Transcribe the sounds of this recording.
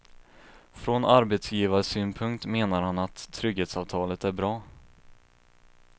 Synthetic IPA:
fɾɔnaɾbet̪sjiːvaɾəsyːnpʰɵŋkt̪meːnaɾhanat̪ʰːɾʏɡheːt̪sɑːvt̪ʰɑːlət̪æɾbɾɑː

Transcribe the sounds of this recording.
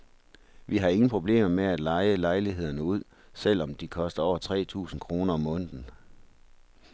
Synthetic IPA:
ʋiɦɑ̈e̝ŋn̩pʰʁo̝b̥le̝̰ːmɐmeæd̥lɑ̈ɪəlɑ̈ɪliɦe̝ð̞̰ˠɐnəuð̞̰ˠ | sel̰ɒ̽md̥ikʰɒ̽sd̥ɐɒʊɐt͡sʰʁɛ̰ːt͡sʰṵːsn̩kʰʁo̝ːnɐɒmɔ̽n̰d̥n̩

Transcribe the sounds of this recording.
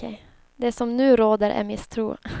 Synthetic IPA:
ɛɪ | d̪ɛsɔmnʉ̟ːɾoːd̪əɾʔɛ̰ɾmɪst̪ʰɾṵː

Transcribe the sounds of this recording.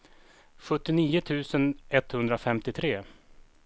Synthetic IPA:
ɧɵt̪ːɪniːʊt̪ʰʉ̟ːsənɛt̪hɵnd̪ɾafɛmt̪ɪt̪ʰɾeː

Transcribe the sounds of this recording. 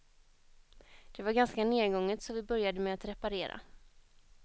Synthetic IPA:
d̪̥ɛvaɾɡanskaneːd̪ɡɔŋːət̪sɔvɪbœɾjad̪əmɛat̪ɾɛpaɾeːɾa̰

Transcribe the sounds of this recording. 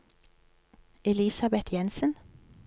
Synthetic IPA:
ɛlɪsɑbɛt̪ʰjɛnsən

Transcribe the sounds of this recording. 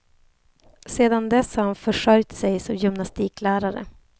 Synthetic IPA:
seːd̪and̪ɛshanfœʂœɾjt̪sɛjsɔmjʏmnast̪iːklæːɾaɾə̰

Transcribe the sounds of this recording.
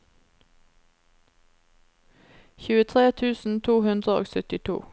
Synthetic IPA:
çʉːət̪ʰʁeːt̪ʰʉːsn̩t̪ʰuːhʉnd̪ʁəo̰ːɡsœt̪ɪt̪ʰṵː

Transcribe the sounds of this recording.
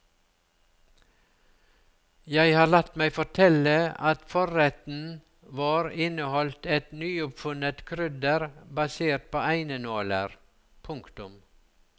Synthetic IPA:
jæɪhɑːlɑt̪mæɪfɔʈʰɛləɑt̪fɔɾɛt̪n̩ | ʋɑːɾɪnəhɔlt̪ɛt̪nyːʊpfʉnət̪kʰɾʏd̪əɾbɑseːɾʈ̚pʰoːʔæɪnənoːlə̰ɾ | pʰʊŋkt̪ʊm

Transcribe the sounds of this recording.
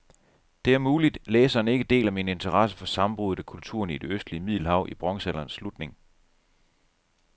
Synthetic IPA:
d̥e̝æɐmuːlid̥leːsɐːne̝ɡ̥əd̥e̝̰ːlæmine̝nt͡sʰɐʁɑsəfɒ̽sɑ̈mb̥ʁuð̞ˠækʰult͡sʰṵːɐ̰nid̥e̝øsd̥liəmið̞̰ˠlhɑ̈ʊ̰ʔib̥ʁɒ̽ŋsælɐːnsːlud̥ne̝ŋ

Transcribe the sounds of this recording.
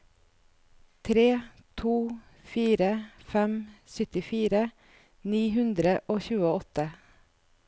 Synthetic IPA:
t̪ʰɾeː | t̪ʰuː | fiːɾəfɛmsʏt̪ɪfiːɾə | niːɦʉnd̪ɾəʔoːçʉːəɔt̪ə

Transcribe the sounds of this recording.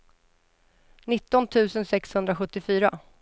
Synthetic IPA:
nɪt̪ːɔnt̪ʰʉ̟ːsənsɛkshɵnd̪ɾaɧɵt̪ːɪfyːɾa̰

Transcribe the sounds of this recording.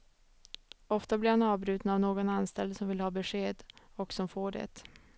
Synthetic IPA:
ɔft̪ablɪɾhanɑːvbɾʉ̟ːt̪navnoːɡɔnanst̪ɛld̪sɔmvɪlhɑːbɛʂeːd̪ɔksɔmfoːɖɛ̰t̪

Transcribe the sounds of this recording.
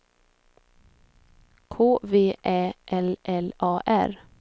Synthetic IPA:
kʰoːʋeːʔeːʔɛlʔɛlʔɑːʔæɾ

